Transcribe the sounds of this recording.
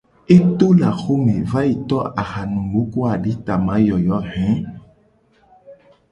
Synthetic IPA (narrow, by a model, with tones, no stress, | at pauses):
e˦t̪o˦la˨xo˦mẽ˨va˦ji˨t̪ɔ˦a˨xa˨nũ˨lo˨˦ko˦a˨ɖi˨˦t̪a˨mã˨˦jɔ˨jɔ˨˦hɛ̃˨˦